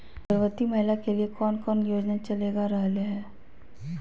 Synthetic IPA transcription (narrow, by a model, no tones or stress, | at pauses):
pəɾʋət̪imɐɦɪlakeliekɔːnkɔːnjoːd͡ʒnat͡ʃɐleːɡaɾɐɦleɦɛː